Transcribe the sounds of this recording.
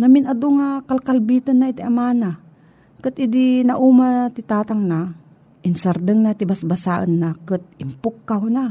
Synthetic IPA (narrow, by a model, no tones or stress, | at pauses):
nɐmɪnad̪ʊŋakalkalbit̪ɐnːait̪iʔamana | kɨt̪ʔɪd̪inaʔumat̪ɪt̪aːt̪aŋna | ʔɪnsaɾd̪əŋnat̪ɪbasbasaʔənːakɨt̪̚ɪmpʊkːaɦʊna